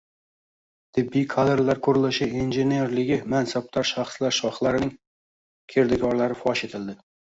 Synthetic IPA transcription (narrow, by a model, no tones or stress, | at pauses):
t̪ʰɪbːijkʰad̪eɾlaɾkʰʊɾɪlˠɪʃɪenʒenijeɾlɪɡʲɪmænsap̚t̪ʰɑɾʃɑχslaɾʃɒχlˠaɾɪnɪŋ | kʲʰeɾd̪ɪkʲʰɒɾlˠaɾɪfɒʃet̪ʰɪld̪ɪ